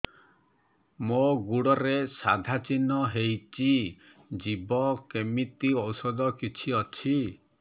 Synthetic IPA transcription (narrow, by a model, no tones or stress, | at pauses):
moɡuɽɔɾesad̪ʱat͡ʃinɔɦejt͡ʃi | d͡ʒibɔkemit̪iɔwsɔd̪ɔkit͡ʃʰiɔt͡ʃʰi